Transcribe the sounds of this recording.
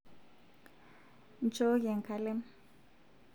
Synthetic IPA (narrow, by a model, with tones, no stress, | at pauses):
nt͡ʃo˦jɛ˨ŋ˨kʰa˨lɛ˦m